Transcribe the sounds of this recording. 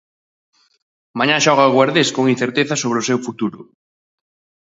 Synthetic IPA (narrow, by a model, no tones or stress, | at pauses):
mãɲãʃɔɣaɣwaɾðeskoŋinθeɾt̪eθɐsoβ̞ɾɪosewfut̪uɾʊ̰